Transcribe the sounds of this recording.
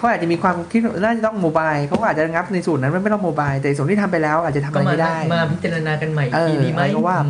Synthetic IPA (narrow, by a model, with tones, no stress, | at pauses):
kʰa˦wʔaː˨˩t̚t͡ɕa˨miː˧kʰwaː˧mkʰi˦˥˩naː˥˩t͡ɕa˨˩t̪ɔ˥˩ŋmoː˧baː˧jkʰa˦˥wkɔ˥ʔaː˨˩t͡ɕa˨˧˩ŋa˦˥p̚na˧jsuː˨˩nːa˦˥nm˥˩nm˥˩t̪ɔ˥˩moː˧baː˧jt̪ɛː˨˩˧snt̪iː˥˩t̪ʰa˧mpa˧jlɛː˦˥wʔaː˨˩t̪̚t͡ɕa˨t̪ʰa˧m˧a˧jm˧m˥˩daː˥˩jmaː˧pʰi˦˥t̪̚t͡ɕa˧ɾa˧naː˧ka˧nma˨˩jʔɤː˧˨˧ɾa˧jkɔː˥˩waː˥˩